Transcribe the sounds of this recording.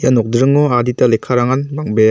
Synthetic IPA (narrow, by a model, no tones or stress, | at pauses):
janɔk̚dɾɯŋɔaditalekʰaɾaŋanbaŋbe